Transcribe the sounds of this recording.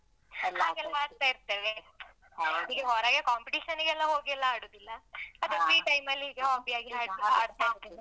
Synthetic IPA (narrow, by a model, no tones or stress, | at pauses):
haːɡɛlːɐaːɽt̪aːiɾt̪eːʋe | ɐiːɡeɦɔːɾaːɡekaːmpiʈiːʃɐniɡɛlːɐɦoːɡiɛlːɐaːɽoːd̪ilːɐɐd̪ufɾiːʈɐjmɐlːiiːɡeɦaːpijaːɡiɦaːɽt̪ia̰ːɽt̪aiɾt̪ee